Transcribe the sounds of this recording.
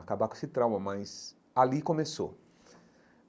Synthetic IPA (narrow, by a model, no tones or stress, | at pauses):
akabakesɪt̪ɾãwmɐmɐjz | alikõmeso̰